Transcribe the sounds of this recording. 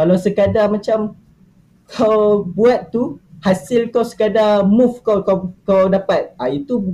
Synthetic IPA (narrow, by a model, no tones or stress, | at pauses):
kalawsəkadamãt͡ʃam | kʰawbuat̪̚ːuhasilkawsə̥kadamufkawkawkawdapat̪̚ait̪u